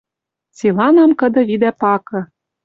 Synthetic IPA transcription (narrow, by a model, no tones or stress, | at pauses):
t͡silɑnɑmkɤ̆d̪ɤ̆βid̪æpɑkɤ̆